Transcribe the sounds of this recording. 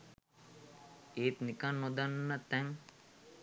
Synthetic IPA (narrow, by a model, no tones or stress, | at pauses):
eːt̪nikanːod̪anːət̪ɛŋ